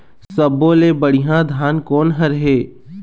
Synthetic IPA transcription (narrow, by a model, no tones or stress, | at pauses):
ssəbːoːlebəɽ̤ɪɦãd̪ʱaːnkɔːnɦɐɾɦeː